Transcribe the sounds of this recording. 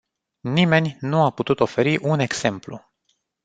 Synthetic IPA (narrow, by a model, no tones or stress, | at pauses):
nime̞nʲnuaput̪ut̪o̞fe̞ɾiʔune̞ɡz̥e̞mplṵ